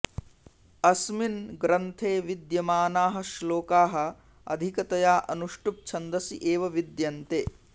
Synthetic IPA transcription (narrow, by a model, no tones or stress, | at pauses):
ɐsminɡɾɐnt̪ʰeːʋid̪jɐmaːnaːɦɐ̆ʃloːkaːɦɐ̆ | ɐ̰d̪ʱikɐt̪ɐjaːʔɐnuʂʈup̚t͡ʃʰɐnd̪ɐsḭʔeːʋɐʋid̪jɐnt̪eː